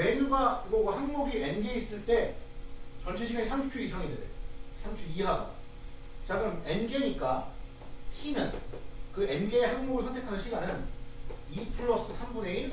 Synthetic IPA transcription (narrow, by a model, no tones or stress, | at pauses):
eɲuɡaɡoɡahanmuɡienɡeis͈ɯɭt͈e̞ | t͡ɕʌɭt͡ɕʰeɕʰiɡanisʰamɕʰi̥pt͡ɕʰuisʰaŋidedesʰamt͡ɕʰuiɦada̰ | t͡ɕaɡɯme̞nɡe̞ɲik͈a | ɕinɯnkɯenɡe̞ːhaŋmuɡɯɭsʰʌntʰe̞kʰanɯnɕʰiɡanɯn | ipʰɯɭːʌs͈ɯsʰambune̞i